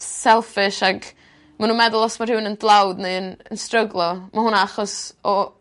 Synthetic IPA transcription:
sɛlˠfɪʃaɡ | manuːnmɛðʊlˠɔsmarhɪwnəndlˠawdneɨənənstrəɡlˠɔmahʊnaaχɔsɔ

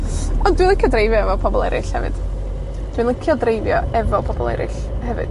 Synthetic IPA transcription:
ɔndwilˠəkʰədrejvjɔɛvɔpʰɔbɔlˠɛɾɪɬhɛ̰vɨ̰d̥ | d̥wilˠəkʰjɔdrejvjɔɛvɔpʰɔbɔlˠɛ̰ɾɪ̰ɬ | hɛvɨ̰d̥

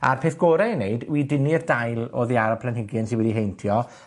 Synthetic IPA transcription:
a̰rpʰeːθɡ̥oːɾɛneɨdwidɪnirdajlˠɔ̰ðiaɾapʰlˠanɦɪɡɨnsɪ̃nwɛdiɦejntʰjɔ

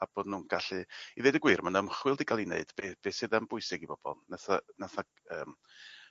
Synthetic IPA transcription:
ab̥oːdnuːnɡ̥aɬɨiðejdəɡwiːrmanəmχwɪlˠdiɡʰalˠinḛɨd̥b̥eb̥eːsɨðəmb̥ʊɨsɪɡibɔb̥ɔ̰lˠnaθanaθa | əːm

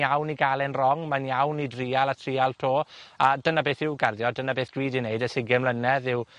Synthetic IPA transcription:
jawniɡalˠɛnrɔŋmanjawnidriːalˠatʰriːalˠtʰoːadənabeːθɪwɡarðjɔdənabeːθd̥wiːdineɨdəsɪɡɛmlənɛðɪw

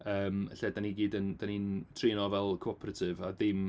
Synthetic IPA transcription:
əːmə̰ɬɛːdaniɡiːdənd̥anintʰreːnɔvɛlˠkʰoɔpʰɾatʰɪvaðɪm

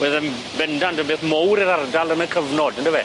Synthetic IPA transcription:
wɛðɪnbɛndandənbeːθmowɾiɾardalˠənəkʰəvnɔdəndəvɛ

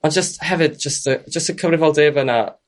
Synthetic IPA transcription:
and͡ʒəsthɛvɨd̚d͡ʒəstə̥d͡ʒ̥əstəkʰəvrɨvɔlˠdeːvəna

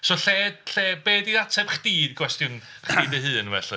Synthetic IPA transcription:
sɔɬɛːd̥ɬɛːbeːdiðatʰɛb̥χd̥iːdɡwɛstjʊn | χiːdəɦɨːnvɛ̰ɬɨ

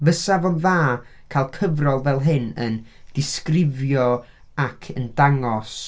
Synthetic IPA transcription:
vəsavɔnðaː | kʰaːlˠkʰəvrɔlˠvɛlˠɦɪnə̰n | d̥ɪskrɪvjɔ | akʰəndaŋɔs

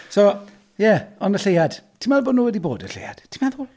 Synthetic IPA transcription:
so | jɛɔnəɬejad̥tʰɪmalˠboːdnuːwɛdiboːdəɬḛja̰d̥tʰɪmɛðʊl

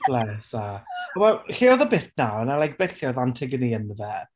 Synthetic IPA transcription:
b̥lɛsaɔmaɬiɔðəbɪtʰnawənalajk̚b̥ɛθjɔðantʰɪɡəniənðɛ

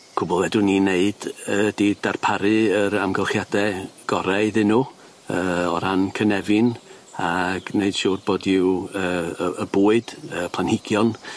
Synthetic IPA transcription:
kʰʊbɔlˠvɛdʊnineɨd̥ədiːd̥arpʰaɾɨəɾamɡəlˠχjadɛɡ̥ɔɾaɨðɨnʊ | əːɔɾankʰənɛvɨn | aɡ̥neɨd̥ʃʊːrboːdɪwəːəəbuːɨd̥əːpʰlˠanhɪɡ̥jɔn

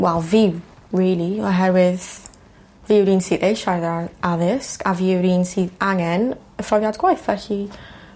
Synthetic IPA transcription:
wɛlˠvɪw | riːlˠiɔɦɛɾwɪð | vɪwɾiːnsiːðejʃajðaaðɪskʰaviwɾiːnsiːðaŋɛn | əfɾɔvjadɡwajθvɛɬi

